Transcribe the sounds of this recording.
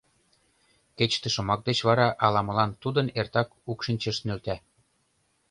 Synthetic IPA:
ket͡ɕt̪ə̆ʃŏmɑk̚d̪et͡ɕβɑɾɑʔɑlɑmə̆lɑnt̪ud̪ənert̪ɑkukʃinʲt͡ɕə̆ʃnølt̪æ

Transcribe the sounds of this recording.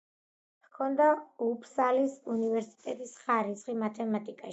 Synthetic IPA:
kʰɔnd̪aupʰsalisunivɛɾsi̥t̪ʼɛt̪ʼisχaɾit̪sχimat̪ʰɛmat̪ʼikʼaʃ

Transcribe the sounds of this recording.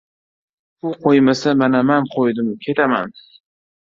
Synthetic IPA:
ʊqʰojmasamanamanqʰojd̪ɪmkʲʰe̞t̪ʰaman

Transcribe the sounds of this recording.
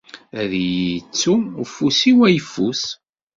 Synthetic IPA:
æðjət͡sːufːusiwæjfːus

